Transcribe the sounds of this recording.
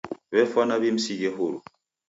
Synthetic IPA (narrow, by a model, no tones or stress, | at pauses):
βɛfɔnaβim̩sid͡ʒɛɦoɾu